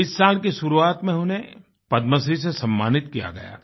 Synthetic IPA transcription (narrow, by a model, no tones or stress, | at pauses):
ɪsːaːlkeʃʊɾuaːt̪mẽɦʊnẽ | pɐd̪məs̬isesɐmːaːnɪt̪kija̰ɡɐ̰ja̰ː